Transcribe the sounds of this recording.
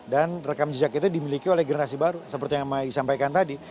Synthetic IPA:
danrəkamd͡ʒəd͡ʒakit̪udimilikiolɛhɡərnasibaɾusəpərt̪ijaŋmadisampajkant̪adi

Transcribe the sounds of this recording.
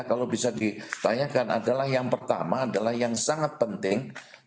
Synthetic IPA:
kalobisadit̪aɲakana̰dalahjaŋpərt̪a̰maːdalahjaŋsaŋat̪̚pənt̪ɪŋ

